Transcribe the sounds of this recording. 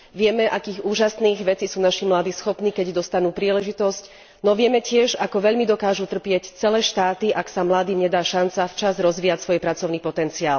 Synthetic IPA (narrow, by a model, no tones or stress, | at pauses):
ʋɪɛmɛʔakiːɣuːʒasniːɣʋɛt͡siːsuːnaʃimlaːd̪iːsxɔpniːkɛɟd̪ɔst̪anuːpɾiːlɛʒit̪ɔsc | nɔʋɪɛmɛcɪɛʒakɔʋɛʎmid̪ɔkaːʒut̪r̩pɪɛct͡sɛlɛːʃt̪aːt̪iʔaksamlaːd̪iːmɲɛd̪aːʃant͡saft͡ʃazɾɔzʋiːacsʋɔjpɾat͡sɔʊniːpɔt̪ɛnt͡sia̰ːl